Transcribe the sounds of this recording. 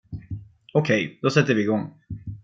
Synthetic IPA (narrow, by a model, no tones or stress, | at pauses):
ɔkʰɛjd̪̥ɔsɛt̪ːəɾvɪːɡɔŋː